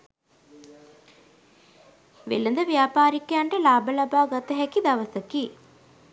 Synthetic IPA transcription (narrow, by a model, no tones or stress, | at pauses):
ʋḛlɐnd̪əʋjaːpaːɾikejaɳʈəlaːbɐlɐbaːɡɐt̪ɐɦɛkid̪ɐʋəsəkiː